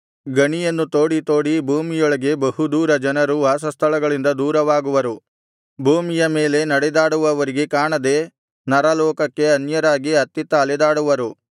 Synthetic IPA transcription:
ɡɐɳijɐnːut̪o̞ːɽit̪o̞ːɽibʱuːmijɔɭɐɡe̞bɐɦud̪uːɾɐd͡ʒɐnɐɾuʋaːsɐst̪ʰɐɭɐɡɐɭind̪ɐd̪uːɾɐʋaːɡuʋɐɾu | bʱuːmijɐme̞ːle̞nɐɽɛd̪aːɽuʋɐʋɐɾiɡe̞kaːɳɐd̪e̞ | nɐɾɐlɔːkɐkːe̞ɐnjɐɾaːɡiɐt̪ːjit̪ːɐːlɛd̪aːɽuʋɐɾu

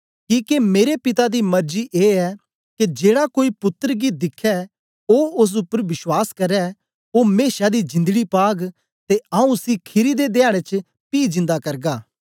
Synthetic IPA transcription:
kiːkemeːɾepɪt̪ad̪imɐɾd͡ʒiʔeːɛ | ked͡ʒeːɽakoːipʊt̪ːəɾɡid̪ɪkʰːɛ | oːʊs̬ʊpːəɾʋɪʃwaːskɐɾɛ | omeːʃad̪id͡ʒɪ̃nd̪əɡipaːɡ | t̪eãũsikʰɪɾid̪ed̪jaːɽ̃et͡ʃ | piːd͡ʒɪ̃nd̪akɐɾɡaː

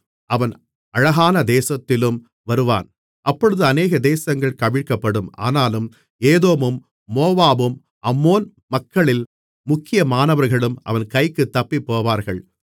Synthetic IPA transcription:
ʔɐʋɐn | ɐɻɐɣaːnɐd̪eːsɐt̪ːɪlɯm | ʋɐɾɯʋa̰ːn | ʔɐpːɔɻɯðɯɐneːɣɐd̪eːsɐŋɡɐɭkɐʋɪɾkːɐpːɐɽɯma̰ːnaːlɯm | eːðoːmɯmː | oːʋaːbɯm | ʔɐmːoːn | mɐkːɐɭɪl | mʊkːɪjɐmaːnɐʋɐɾɣɐɭɯmʔɐ̰ʋɐnkɐɪkːɯt̪ːɐpːipːoːʋaːɾɣɐɭ

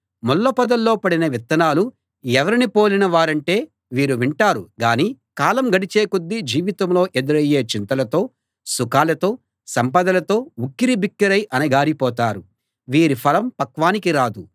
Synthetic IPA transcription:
mɔlːɐpɐd̪ɐlːo̞ːpɐɽinɐʋit̪ːɐnaːlu | ɛʋɐɾinipo̞ːlinɐʋaːɾɐɳʈe̞ː | ʋiːɾuʋiɳʈaːɾuɡaːniː | kaːlɐmɡɐɽit͡ʃe̞ːkud̪ːid͡ʒiːʋit̪ɐmlo̞ːʔe̞d̪uɾɐjːe̞ːt͡ʃint̪ɐlɐt̪o̞ː | sukaːlɐt̪o̞ː | sɐmpɐd̪ɐlɐt̪o̞ːukːiɾibikːɐɾɐjʔɐnɐɡaːɾipɔːt̪aːɾu | ʋiːɾipʰɐlɐmpɐkʋaːnikiɾaːd̪u

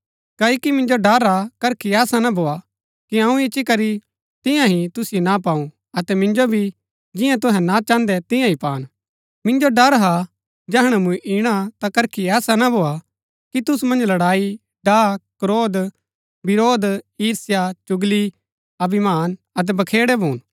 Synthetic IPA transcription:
kɐːikimɪ̃nd͡ʒoɖɐɾakɐɾkʰiɛːsanabʱoːa | kiɐ̃ũet͡ʃikɐɾi | t̪ɪ̃jãɦit̪ʊsɪjonapaːũ | ɐt̪ɛmɪ̃nd͡ʒobʱi | d͡ʒɪ̃jãt̪̬ʊ̃ɦɛ̃nat͡ʃãːnd̪ɛt̪ɪ̃jãɦipaːn | mɪ̃nd͡ʒoɖɐɾɦa | d͡ʒɛɦɽ̃ɛmʊ̃ʔiːɽ̃at̪akɐɾkʰiɛːsanabʱoːa | kit̪ʊsmɐ̃nd͡ʒlɐɽaːi | ɖaːkɾoːd̪ | bɪɾoːd̪iːɾsjat͡ʃʊɡli | ɐbʱimaːn | ɐt̪̬ɛbɐkʰeːɽɛbʱoːn

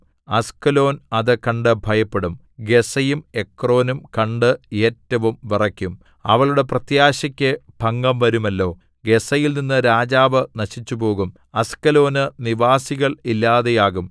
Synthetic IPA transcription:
ɐskɐlo̞ːnɐðɨkɐɳɖɨbʱɐjɐpːe̞ɽum | ɡe̞sɐjume̞kro̞ːnumkɐɳɖɨe̞ːtːɐʋumʋirɐkʲːum | ɐ̰ʋɐɭuɽe̞prɐt̪jaːɕɐkʲːɨbʱɐŋɡɐmʋɐɾumɐlːo̞ː | ɡe̞sɐjilninːɨɾaːd͡ʑaːʋɨnɐɕit͡ɕːupo̞ːɣum | ɐskɐlo̞ːnɨniʋaːsiɣɐɭilːaːðejaːɣum

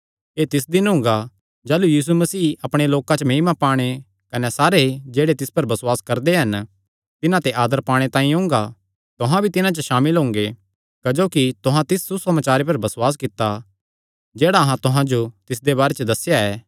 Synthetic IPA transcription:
eːt̪ɪs̬d̪ɪnɦʊ̃ːŋ̆ɡa | d͡ʒaːlujiːs̬umɐsiːʔɐpɽ̃eloːkãt͡ʃəmeːmapaːɽ̃e | kɐnɛsaːɾed͡ʒeːɽet̪ɪspɐɾbɐswaːskɐɾd̪eɦɐn | t̪ɪnãt̪eʔaːd̪əɾpaːɽ̃et̪ãːĩɦʊ̃ːŋ̆ɡa | t̪ʊɦãbʱit̪ɪnãt͡ʃəʃaːmɪlɦʊ̃ːŋɡe | kɐd͡ʒoːkit̪ʊɦãt̪ɪsːʊbsɐmaːt͡ʃaːɾep̬ɐɾbɐsʊwaːs̬kɪt̪ːa | d͡ʒɛːɽaɐɦãt̪ʊɦãd͡ʒot̪ɪs̬d̪ebaːɾet͡ʃəd̪ɐsːjaɛː

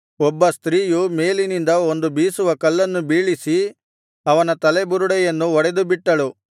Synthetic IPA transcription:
ɔbːɐst̪ɾiːjume̞ːlinind̪ɐo̞nd̪ubiːsuʋɐkɐlːɐnːubiːɭisi | ɐʋɐnɐt̪ɐlebuɾuɽɛjɐnːuɔɽed̪ubiʈːɐɭu

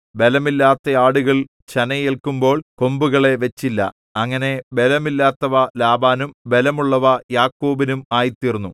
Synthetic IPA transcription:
be̞lɐmilːaːt̪ːɐaːɽuɣɐɭ | t͡ɕɐnɐjeɭkumbo̞ːɭko̞mbuɣɐɭe̞ʋɐt͡ɕːilːɐ̰ | ɐŋːɐne̞be̞lɐmilːaːt̪ːɐʋɐlaːbaːnumbe̞lɐmuɭːɐʋɐjaːkːoːbinumaːjit̪ːiːrnːu

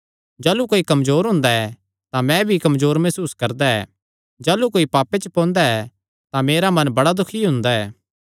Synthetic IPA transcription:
d͡ʒɐːlukoːikɐmzoːɾɦʊ̃nd̪aɛ | t̪ãmɛ̃bʱikɐmzoːɾmɛsuːskɐɾd̪aɛ̰ː | d͡ʒɐːlukoːipaːpet͡ʃəpɔ̃ːnd̪aɛ | t̪ãmeːɾamɐnbɐɽad̪ʊkʰːiɦʊ̃nd̪aɛ̰ː

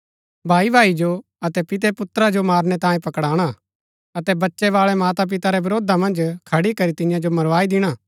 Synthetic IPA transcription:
bʱaːibʱaːid͡ʒo | ɐt̪ɛpɪt̪̬ɛpʊt̪ɾad͡ʒomaːɾñɛt̪ãːẽpɐkɽaːɽ̃a | ɐt̪ɛbɐtːʃɛʋaːɭɛmaːt̪ap̬ɪt̪aɾɛbɪɾoːd̪ʱamɐ̃nd͡ʒkʰɐɽikɐɾit̪ɪ̃jãd͡ʒomɐɾʋaːid̪ɪɽ̃aː

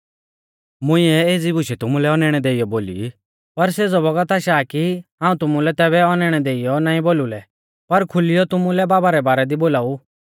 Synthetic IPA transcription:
mʊ̃ĩɛeːd͡zibʊʃɛt̪ʊmulɛɔnɛɽ̃ɛd̪eːɪjɔboːlḭ | pɐɾseːd͡zɔbɔɡət̪aːʃaːkiɦãːũt̪ʊmulɛt̪ɛːβɛɔnɛɽ̃ɛd̪eːijɔnaːĩboːlulɛ | pɐɾkʰʊlɪjɔt̪ʊmulɛbaːbaɾɛbaːɾɛd̪iboːlaːu

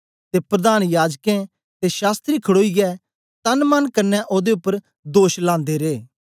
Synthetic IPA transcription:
t̪epɾɐd̪aːnjaːd͡ʒkɛ̃ | t̪eʃaːst̪ɾikʰɐɽoːiɡɛ | t̪ɐnmɐnkɐnːɛʔoːd̪eʊpːəɾ | d̪oːʃlãːnd̪eɾeː

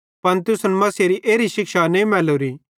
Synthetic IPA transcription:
pɐnt̪ʊsʊnmɐsɾiʔeːɾiʃɪkʃanẽĩmɛːloɾi

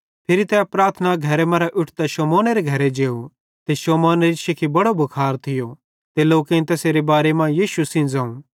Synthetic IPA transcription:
pʰɪɾit̪ɛpɾaːɾt̪ʰnaɡʱɐɾemɐ̃ɾɛʔʊʈʰt̪ɐʃɔːmoːneɾeɡʱɐɾed͡ʒeːu | t̪eʃoːmoːnɾiʃɪkʰibɐɽobʱɐkʰaːɾt̪ʰɪjo | t̪eloːkent̪ɛːseɾebaːɾemãjiːʃusĩnzãːũː

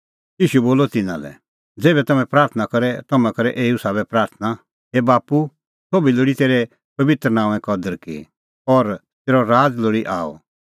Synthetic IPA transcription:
jiːʃuboːlɔt̪ɪnã̰lɛ̰ | d͡zeːβɛt̪ɐmɛ̃pɾaːɾt̪ʰnakɐɾɛt̪ɐmɛ̃kɐɾɛʔeːusaːβɛpɾaːɾt̪ʰna | ɦebaːpu | soːbiloɽit̪eːɾɛ | pɐʋɪt̪ɾənãːʋ̃ɛ̃kɐd̪əɾkḭ | ɔɾt̪eːɾɔɾaːd͡zloɽiʔaːɔ̰

